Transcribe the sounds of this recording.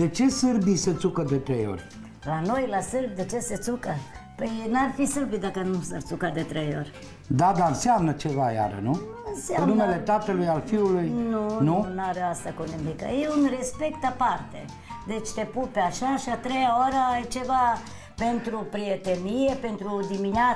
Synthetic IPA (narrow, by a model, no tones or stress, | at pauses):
d̪e̞t͡ʃe̞sɨrbise̞t̪sukəd̪e̞t̪ɾejo̞̰rʲ | lano̞jlasɨrb̚d̪et͡ʃe̞se̞t̪sukəpəjnarfisɨrbitd̪akənusart̪sukad̪e̞t̪ɾejo̞̰rʲ | d̪ad̪aɨnsɪamnət͡ʃevaja̰ɾə̰nuɨnsanmnumele̞t̪at̪əlujalfiulujnununaɾeast̪akunimika̰jeunre̞spe̞kt̪apart̪e̞̰ | d̪e̞t͡ʃʲt̪e̞pupeaʃaʃiat̪ɾejaoɾəjt͡ʃe̞va | pe̞nt̪ɾupɾijet̪enije̞pe̞nt̪ɾud̪iminja